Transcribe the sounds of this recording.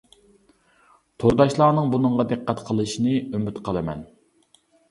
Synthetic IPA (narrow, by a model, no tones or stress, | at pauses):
t̪ʰoɾd̪ɑʃlˠɑːnɨŋbunɨɴʁɑd̪ɨqʰːæt̪qʰəlˠɨʃinɨymyt̪qʰəlˠɨmɛ̰n